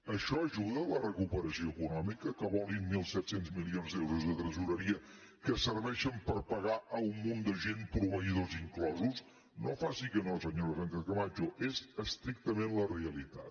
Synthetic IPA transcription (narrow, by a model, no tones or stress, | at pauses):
əʃɔəʒuðələrəkupəɾəsioəkunɔmikəkəβɔlˠinmilˠsɛt̪senzmilionzd̪ewɾuzðət̪ɾəzuɾəɾiə | kəsəɾβɛʃəmpəɾpəɣaʔəumːund̪əʒenpɾuβəiðoziŋklɔzus | nofasikənos̬əɲoɾfant̪əkəβad͡ʒoʔezəst̪ɾik̚t̪əmenləreəlit̪a̰t̪